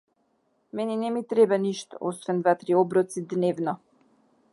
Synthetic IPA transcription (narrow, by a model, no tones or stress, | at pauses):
mɛnɛnɛmit̪ɾɛbaniʃt̪ɔ̥̰ɔsvɛnd̪vat̪ɾiɔbɾɔt̪sid̪nɛvnɔ